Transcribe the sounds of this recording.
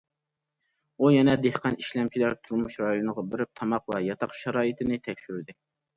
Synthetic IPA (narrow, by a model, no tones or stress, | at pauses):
ujɛnɛd̪ehqʰɑniʃlɛmt͡ʃʰilæɾt̪ʰuɾmuʃɾɑjonəʁɑbɪɾɪp̚t̪ʰɑmɑqwɛjɑt̪ʰɑqʃɑɾɑːit̪ʰɪnɪt̪ʰɛkʲʃyɾd̪ɪ